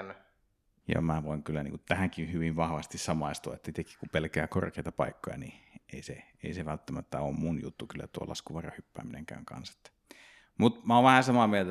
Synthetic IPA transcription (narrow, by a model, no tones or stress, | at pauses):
lː | jɑ̰mæʋoˑiŋkylːænḭːŋkunt̪æhæŋkinhyʋiʋʋɑhʋɑst̪issɑmɑˑist̪uɑet̪ːæit̪ekːi̥kupelkææko̰rkeit̪ɑpɑ̰ˑikːojɑ̰nieˑise | ḛˑiseʋælt̪ːæmæt̪ːæoːmmunjut̪ːukylːæ̰t̪uo̰lɑ̰skuʋɑrɑhypːæ̰ːmineŋkæ̰øŋkɑ̰nse̥t̪ːæ̥ | mut̪mæoʋʋæhænsɑmɑmielt̪æ